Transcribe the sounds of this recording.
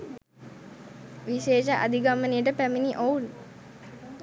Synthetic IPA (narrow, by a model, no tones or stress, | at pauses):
ʋiʃeːʃaʔa̰d̪iɡamənijəʈəpæminiʔoul